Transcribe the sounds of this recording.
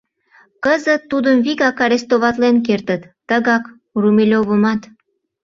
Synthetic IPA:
kəzət̪ːud̪əmviɣɑkɑɾest̪oβɑt̪lenk̬ert̪ət̪ːəɣɑk | rumelʲoβəmɑt̪

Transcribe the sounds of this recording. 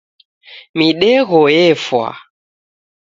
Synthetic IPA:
miɗɛɣɔjɛfwa̰

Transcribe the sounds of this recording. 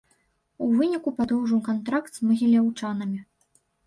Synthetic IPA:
uvɨnʲikupad̪ɔwʐɨwkant̪ɾakt̪z̥mɐɣʲilʲawt͡ʂanɐmʲi

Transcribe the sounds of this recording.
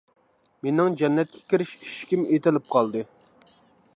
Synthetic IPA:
menɪŋd͡ʒɛnːɛt̪̚kʲʰɛ̥kʲiɾɪʃiʃkʲimet̪ɪlɪp̚qʰɑlˠd̪ɨ

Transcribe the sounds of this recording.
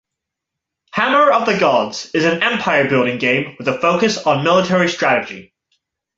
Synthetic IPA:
hæmə˞ʌvðɨɡɑdz̥ɨzɨ̃nɛ̃mpʰaɪə˞bɪlˠɾɪ̃ŋɡẽɪ̃mwɨðəfoʊkɨsn̩mɪlˠətʰɛɹistɹ̥æɾɨd͡ʒḭ

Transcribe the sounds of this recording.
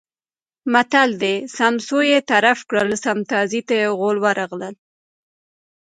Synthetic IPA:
mat̪ald̪esamsojet̪aɾafkɽəlsamt̪ɑzit̪ajeɣolwaɾaɣləl

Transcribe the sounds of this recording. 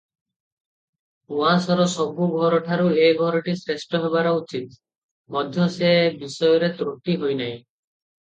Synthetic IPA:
uãsɔɾɔsɔbuɡʱɔɾɔʈʰaɾuejɡʱɔɾɔʈisɾesʈɔɦebaɾɔut͡ʃit̪̚ | mɔd̪ʱjɔsebisɔjɔɾet̪ɾoʈiɦojnaj̃

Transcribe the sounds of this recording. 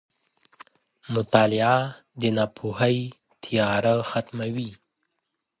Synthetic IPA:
mʊt̪ɑlɪa | d̪ənapʰuhaj | t̪ʰijɑɾaxat̪mawi

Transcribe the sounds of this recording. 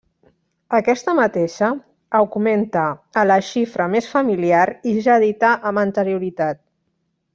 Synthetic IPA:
əkɛst̪əmət̪eʃəː | wɣument̪əːləʃifɾəmesfəmiliaɾiʒaðit̪aʔəmənt̪əɾijuɾit̪at̪̚

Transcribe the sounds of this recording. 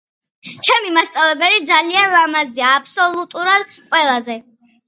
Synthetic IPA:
t͡ʃʰɛmimast̪sʼavlɛbɛlid̪zalianlˠamaziaːpʰsɔlˠut̪ʼuɾad̪qʼwɛlˠazɛ

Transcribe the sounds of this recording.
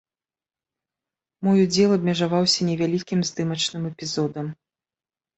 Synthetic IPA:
mɔjud͡zʲɛlˠɐbʲmʲɛʐavawsʲɐnʲɛvʲalʲikʲimzd̪ɨmɐt͡ʂnɨmɛpʲizɔd̪ɐm

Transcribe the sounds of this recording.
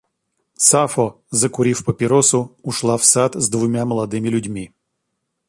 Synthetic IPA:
safɔ | zɐkʊɾʲiwpɐpʲɪɾɔsʊʊʃlˠawsat̪zd̪ʋʊmʲamɔlˠɐd̪ɪmɪlʲʊdʲmʲi

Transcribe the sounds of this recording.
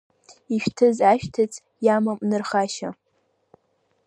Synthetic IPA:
iʃᶣtʰɨzaʃtʰɨt͡sʰʼ | jamamnɨrχaʃa

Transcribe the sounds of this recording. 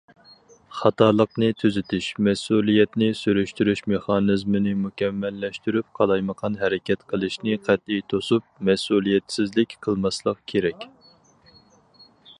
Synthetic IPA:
χɑt̪ʰɑːlˠəqnɨt̪ʰyzɪt̪ʰyʃmɛsulˠijɛt̪nɪsyɾyʃt̪yɾyʃmeχɑnɨzmɨnɪmukʲɛmːɛlːɛʃt̪yɾyp̚qʰɑlˠɑjməqʰɑnɦɛɾɪkʲʰɛt̪qʰəlˠɨʃnɪqʰæt̪̚ijt̪ʰosup̚mɛsulˠijɛt̪sɪzlɪkʲqʰəlˠmɑslˠəqkʲʰeɾɛkʲ

